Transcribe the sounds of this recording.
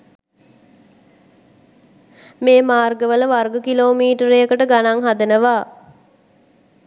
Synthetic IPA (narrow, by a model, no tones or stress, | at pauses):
meːmaːrɡəʋələʋarɡəkiloːmiːʈəɾejəkəʈəɡanaŋɦad̪ənəʋaː